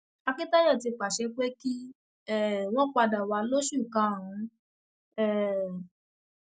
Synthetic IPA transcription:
a˧kĩ˦ta˦jɔ˦˨ti˧k͡pa˨ʃɛ˧˦k͡pe˦ki˦ | ɛ˦˨w̃ɔ̃˦k͡pa˧da˨wa˨˧lo˦ʃu˦˨kã˨˦˨ũ˨˦ | ɛ˦˨

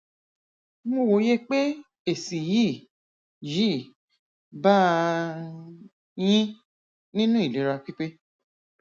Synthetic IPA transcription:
mõ˧˨wo˨˦je˦k͡pe˦ | e˨si˨ji˦˨ | ji˨˦˨ | ba˦ | j̃ĩ˦ | nĩ˦nũ˦i˨le˨˦ɾa˧k͡pi˦k͡pe˦

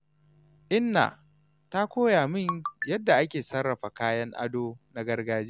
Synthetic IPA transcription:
ʔɪ˦nːa̰˨ | ta˦kʷoː˦jaː˨mɪ˦ɲjɐ˦dːa˨ʔa˦kʲeː˨sɐ˦rːɐ˨ɸa˨kaː˦jɐ˦ŋʔa̰˦doː˦na˦ɡɐ˦rɡaː˦d͡ʒeː˦

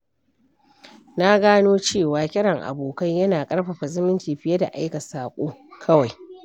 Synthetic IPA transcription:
na˦ɡaː˦noː˦t͡ʃeː˦˨waː˨kʲʼɪ˦ɾɐ˨ŋʔa̰˨boː˨kɐ˦ɲjɐ˦naː˨kʼɐ˦ɽɸa˨ɸa˨zɪ˦mɪ˦ntiː˨ɸɪ˦jɐ˦da̰˨ʔa˦jkɐ˨saː˨kʷʼoː˦kʰɐ˦wa˨j

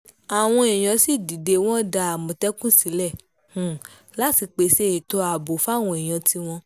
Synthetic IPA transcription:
a˨w̃ɔ̃˧e˨j̃ɔ̃˨˧si˦˨di˨de˧w̃ɔ̃˦da˧a˨mɔ̃˨tɛ˦kũ˦si˨˦lɛ̃˦˨˦ | la˦ti˧k͡pe˨˧˦se˦i˨to˧˦a˨bo˨fa˦˨w̃ɔ̃˧e˨j̃ɔ̃˨˧ti˧w̃ɔ̃˧

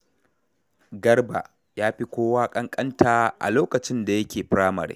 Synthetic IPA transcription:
ɡɐ˦rba̰˨ | jaː˦ɸi˦kʷoː˦waː˦kʼɐ˦ŋkʼɐ˦ntʰaː˦ʔa̰˨loː˦kɐ˨t͡ʃɪ˦nda˨jɐ˦kʲʰeː˨ɸɾaː˦mɐ̰˨ɾḛː˦

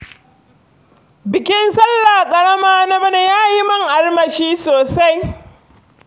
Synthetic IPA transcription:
bɪ˨kʲɪ˦nsɐ˦lːaː˨kʼɐ˨ɽɐ˦maː˦na˦mɐ˦ne˨jaː˦ji˦mɐ˦ŋʔa˦rmɐ˨ʃiː˦soː˨sa˦j

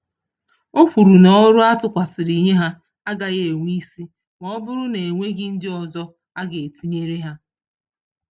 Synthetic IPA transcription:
o˦ɸʷu˨ɾu˨nɔ˦ɔ˦ɾʊ˦a˦tʊ˨kʷa˨sɪ˨ɾi˨ɲe˦ɦa˦ | a˦ɡa˨ɣe˨ŋʷ˦i˦si˦ | ŋɔ˦ɔ˦bʊ˦ɾʊ˦ne˨ŋʷe˦ɡɪ˦n̩˦dɪ˦ɔ˨zɔ˦ | a˦ɡe˨e˨ti˦ɲe˦ɾe˦ɦa˦

